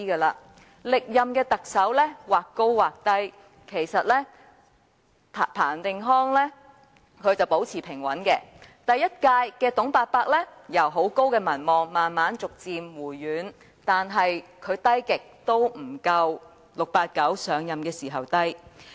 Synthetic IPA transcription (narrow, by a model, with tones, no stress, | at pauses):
iː˥kɐː˧laː˧ | lɪ˨k̚jɐ˨mkɛː˧t̪ɐ˨k̚sɐ˨˥wlɛː˥waː˨kːo˥wwaː˨˩k̚t̪ɐ˥j | kʰe˨˩jsɐ˨t̚lɛ˥˨ | pʰaː˨˩nt̪ɪ˨ŋɦɔː˥ŋlɛː˥ | kʰɵ˨˧ɥt͡sɐ˨wpo˨˧˥wt͡sʰiː˨˩pʰɪ˨˩ŋwɐ˨˥nkɛː˧t̪ɐ˨jɐ˥t̚kaː˧jkɛː˧t̪ʊ˨˥ŋpaː˧t̚paː˧k̚lɛː˥jɐ˨˩wɦo˨˥wko˥wkɛː˧mɐ˨˩nmɔː˨ŋmaː˨nmaː˨˥nt͡sʊ˨k̚t͡siː˨mwuː˨˩jːyː˨˥n | t̪aː˨nɦɐ˨jkʰɵ˨˧ɥt̪ɐ˥jkɪ˨k̚t̪o˥wm̩˨˩kɐ˧w | lʊ˨k̚paː˧t̚kɐ˨˥wsœː˨˧ŋjɐ˨mkɛː˧siː˨˩ɦɐ˨wt̪ɐ˥j